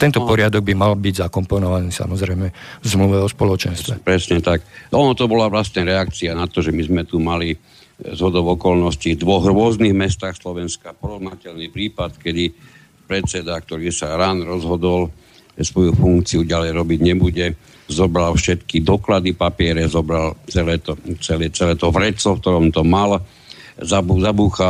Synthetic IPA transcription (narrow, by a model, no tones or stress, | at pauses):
t̪ɛnt̪ɔpɔɾɪad̪ɔɡ̚bimalbiɟzakɔmpɔnɔʋaniːsa̰mɔzɾɛjmɛzmluʋɛɔspɔlɔt͡ʃɛnst̪ʋɛpɾɛsɲɛt̪akɔnɔt̪ɔbɔlaʋlast̪ɲaɾɛak̚t͡sianat̪ɔʒɛmizmɛt̪umali | zɦɔd̪ɔʊɔkɔlnɔscivd̪ʋɔɣɾʊɔzniɣmɛst̪aːxslɔʋɛnskapɔɾɔɦnacɛlnipɾiːpat̪kɛd̪i | pɾɛt͡sɛd̪ak̚t̪ɔɾiːsaɾaːnɾɔzɦɔd̪ɔl | sʋɔjufuŋkt͡siuɟalɛjɾɔbiɟɲɛbuɟɛ | zɔbɾalfʃɛt̪kid̪ɔklad̪ipapɪɛɾɛzɔbɾalt͡sɛlɛːt̪ɔt͡sɛlɛt͡sɛlɛːt̪ɔvɾɛt͡sɔfkt̪ɔɾɔmt̪ɔmal | zauzabuːxa